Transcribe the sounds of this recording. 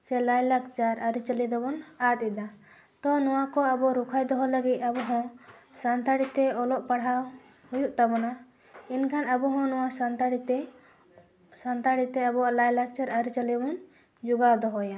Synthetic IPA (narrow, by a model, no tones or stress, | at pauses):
sɛlajlakt͡ʃaɾʔaɾit͡ʃəlid̪ɔbɔnat̪̚ˀid̪a | t̪ɔnɔwakɔabɔɾukʰajd̪ɔɦɔləɡit̪̚ˀabɔɦɔ̃sant̪aɽit̪ɛɔlɔʔpaɽɦaw | hujuʔt̪abɔna | inkʰanabɔɦɔ̃nɔwasant̪aɽit̪ɛ | sant̪aɽit̪ɛabɔaʔlajlak̚t͡ʃaɾaɾit͡ʃəlibɔn | d͡ʒuɡawd̪ɔɦɔja